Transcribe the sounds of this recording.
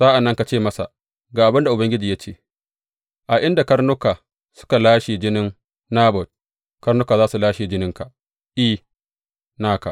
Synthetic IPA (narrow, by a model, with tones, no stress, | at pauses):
sa˦ʔa˨nːɐ˦ŋka˨t͡ʃeː˦˨mɐ˦sa̰˨ | ɡaː˨ʔa˨bɪ˦nda˨ʔʊ˨bɐ˦ŋɡʲɪ˦d͡ʒiː˨ja˦t͡ʃeː˦˨ | ʔa˨ʔɪ˦nda˨kɐ˦ɾnʊ˦kaː˨ | sʊ̥˦ka˨laː˦ʃiː˨d͡ʒɪ˦nɪ˦nː | aː˦bɔ˨t̚ | kɐ˦ɾnʊ˦kaː˨zaː˦su˨laː˦ʃiː˨d͡ʒɪ˦nɪ˦ŋka˨ | ʔiː˦ | naː˦ka̰˨